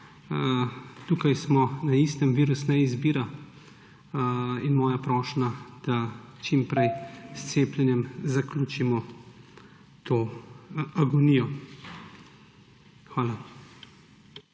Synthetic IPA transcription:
t̪uːkajsmɔnaist̪əmʋiːɾusnɛizbiːɾa | inmɔːjapɾɔːʃnad̪̥at͡ʃimpɾɛjst̪seːplʲjɛnjɛmzakluːt͡ʃimɔ | t̪oː | aɡɔnijɔ | xʋaːla

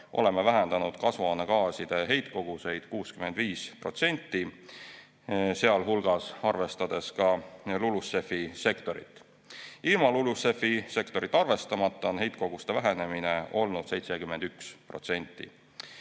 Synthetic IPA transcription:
ʔo̞̰le̞mːevæɦend̪̥ɑnud̪̥kɑsvɑnekɑːsid̪̥e̞ɦe̞jt̪ko̞ɡ̥use̞jd̪̥kuːskyme̞nd̪̥viːspro̞̰t̪se̞nʲt̪ːi | se̞ɑlɦulɡ̥ɑsɑrve̞st̪ɑd̪̥e̞skɑlulusːe̞fːise̞kt̪o̞ɾḭt̪ːˑ | ilmɑlulusːe̞fise̞kt̪o̞ɾit̪ːˑɑrve̞st̪ɑmɑt̪ˑːɑo̞nɦe̞jt̪̚ˑko̞ɡ̥ust̪evæɦene̞mineo̞lnud̪̥se̞jt̪se̞kymːe̞nd̪ykspro̞̰t̪se̞nʲt̪ːḭ

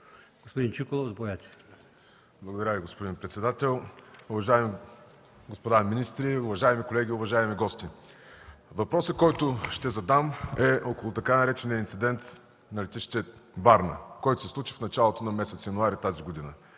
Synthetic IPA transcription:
ɡ̥ospod̪int͡ʃikolˠozbojat̪ʲɛ̥ | blˠɐɡod̪ɐɾaviɡospod̪inpɾɛt̪sɛd̪at̪ɛlˠʊvɐʒaɛmi | ɡospod̪aminist̪ɾiʊvɐʒaɛmikolɛɡ̟ʲiʊvɐʒaɛmiɡɔst̪i | vɐpɾɔsəkːɔjt̪ʊʃt̪ɛzɐd̪amɛʔɔkolˠʊt̪ɐkanɐɾɛt͡ʃɛniɐinsid̪ɛnt̪ | nɐlit̪iʃt̪ɛvaɾnə̰kɔjt̪ʊ̥sɛslˠut͡ʃifnɐt͡ʃalˠot̪onɐmɛsɛt̪sjɐnʊaɾit̪aziɡod̪inə

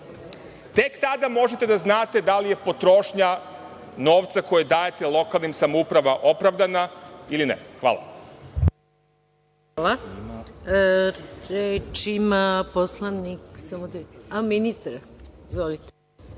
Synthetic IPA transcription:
t̪e̞kt̪ad̪amo̞ʒet̪ed̪aznaːt̪e̞d̪alije̞po̞t̪ɾo̞ʃɲa | no̞ːʋt̪sako̞jed̪aːjet̪e̞lˠo̞kalˠnimsamoupɾaʋaʔo̞pɾaʋd̪anailinɛ̰xʋa̰ːlˠa̰ | ala | ɾet͡ʃimaposlˠaniksamod̪aminist̪aɾa | izʋolit̪e̥

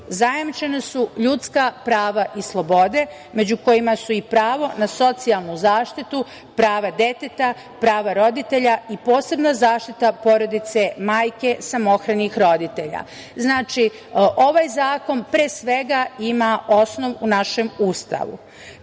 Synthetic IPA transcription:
zajamt͡ʃe̞nasuʎut̪skapɾaːʋaʔislˠobo̞d̪e̞ | me̞d͡ʑuko̞jimasuipɾaːʋo̞naso̞t̪sialˠnuzaːʃt̪it̪u | pɾaːʋad̪e̞t̪et̪a | pɾaːʋaɾo̞d̪it̪e̞ʎaipo̞ːse̞bnazaːʃt̪it̪apo̞ɾo̞d̪it̪se̞maːjke̞samo̞xɾanixɾo̞d̪it̪e̞ʎa̰ | znaːt͡ʃi | ʔo̞ʋajzaːko̞npɾeːsʋe̞ɡaimao̞sno̞ʋunaʃe̞must̪a̰ʋṵ

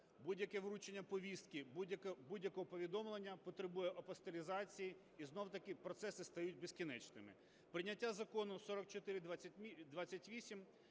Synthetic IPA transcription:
budʲjɐkɛʋɾut͡ʃenʲːɐpɔʋʲist̪̚kʲɪjɐbudʲjɐkɔɦɔpɔʋʲid̪ɔmlˠenʲːɐpɔt̪ɾɪbujɛʔɐpɔst̪elʲizɑt͡sʲiji | iznɔwt̪ɐkɪpɾɔt̪sɛsɪst̪ɐjutʲbeskʲinɛt͡ʃnɪmɪ̰ | pɾɪnʲːɐtʲːazɐkɔnʊsɔɾɔk̚t͡ʃɔt̪ɪɾɪd̪ʲd̪ʋɑt͡sʲːɐtʲʋʲisʲim

